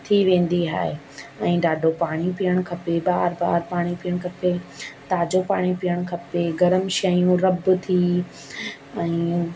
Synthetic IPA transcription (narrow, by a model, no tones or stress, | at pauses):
t̪ʰiʋẽːn̆d̪iɦa̰ːɦe | ɛ̃ːɖaːɖʱopaːɽ̃ipijəɽ̃kʰɐpebaːɾba̰ːɾpaːɽ̃ipiəɽ̃kʰɐpet̪aːd͡ʑopaːɽ̃ipijəɽ̃kʰɐpeɡɐɾəmʃɐjũɾɐbt̪ʰi | ɛ̃ː